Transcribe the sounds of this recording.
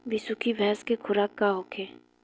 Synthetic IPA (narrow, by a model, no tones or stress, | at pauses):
ʋisukʰibʱɛɦskekʰʊɾaːkːaɦokʰeː